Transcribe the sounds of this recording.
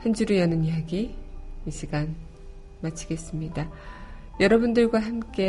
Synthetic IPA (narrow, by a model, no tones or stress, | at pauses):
hand͡ʑuɾijʌnɯniɦaɡiiɕʰiɡan | mat͡ɕʰiɡe̞s͈ɯmɲida | jʌɾʌbundɯɭɡwaɦamk͈e̞